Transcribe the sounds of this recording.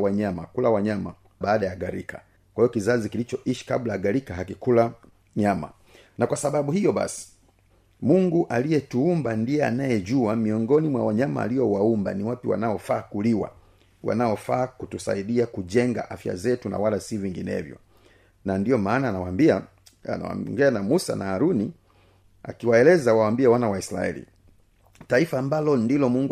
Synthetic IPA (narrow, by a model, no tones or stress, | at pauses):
waɲama̰kulawaɲama̰ | ɓaːɗajaɡaɾḭka̰ | kwahijɔkizazikilit͡ʃɔʔiʃi̥kablaaɡaɾikaɦakikula | ɲama̰ | nakwasaɓaɓuhijɔɓa̰si̥ | muŋɡuʔalijɛtuumbandijɛa̰najɛʄuamiɔŋɡɔnimwawaɲama̰ːlijɔwaumba̰niwapiwa̰naɔfaːkuliwa̰ | wa̰naɔfaːkutusa̰iɗiakuʄɛŋɡa̰ʔafja̰zɛtuna̰walasiviŋɡinɛ̰vjɔ̰ | nandijɔmaːnaːnawaia̰ | awa̰ŋɡɛanamusa̰naaɾuni | a̰kiwaɛlɛzawawambiawanawaisɾa̰ɛ̰lḭ | taifaːmbalɔndilɔmuŋɡu